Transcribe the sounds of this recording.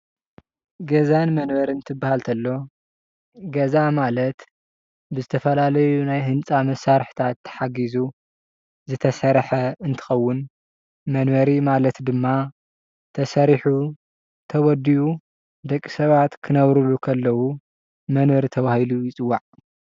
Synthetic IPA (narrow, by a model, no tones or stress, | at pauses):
ɡɐzanmɐnβɐɾɨnt̪ʰɨbːahalt̪ʰɐlːo̞ | ɡɐzamalɐt̪ | bɨzɨt̪ʰɐfɐlalɐjunajɦɨnt͡sʼamɐsːaɾħt̪ʰat̪ːɐ̥ħaɡizu | zɨt̪ʰɐsɐɾħɐɨnt̪ʰɨ̥xɐwːʊn | mɐnβɐɾimalɐt̪d̪ɨmːa | t̪ʰɐsɐɾiħu | t̪ʰɐwɔd̪iʔu | d̪ɐkʼːisɐβat̪kʰɨnɐβɾulukʰɐlːɐwu | mɐnβɐɾt̪ʰɐβahilujɪt͡sʼɨwːaʕ